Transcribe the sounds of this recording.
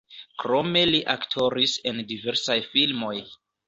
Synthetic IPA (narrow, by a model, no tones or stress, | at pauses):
kɾome̞liʔaktʰoɾisendiveɾsajfilmo̞j